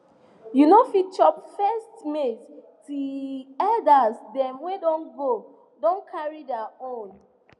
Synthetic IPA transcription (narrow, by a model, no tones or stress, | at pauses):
junofit͡ʃɔpfɛstmet | tuɛldasdɛ̃mwedõnɡo | dõnkʰaɹidɛaõn